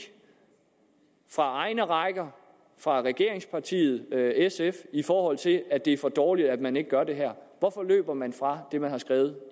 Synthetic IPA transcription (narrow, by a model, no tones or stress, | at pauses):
fʁɑ̈ɑ̈ɪnəʁɑ̈ɪɡ̥ɐ | fʁɑ̈ʁɛɡ̥e̝ɐeŋspʰɑ̈t͡sʰḭːð̞̩ˠesefifɒːhɒ̽l̰t͡sʰe̝læd̥e̝æɐfɒ̽d̥ɒːlid̥æd̥mæne̝ɡ̥əɡ̥ɶɐde̝ɦæɐ̰ʋɒfɒ̽lø̰ːb̥ɐmænfʁɑ̈d̥e̝mænhɑ̈sɡ̥ʁɛːʊð̞̩ˠ